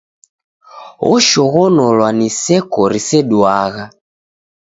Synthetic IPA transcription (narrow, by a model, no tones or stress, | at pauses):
ɔ̰ʃɔɣɔnɔlwanisɛkɔɾisɛɗuaɣa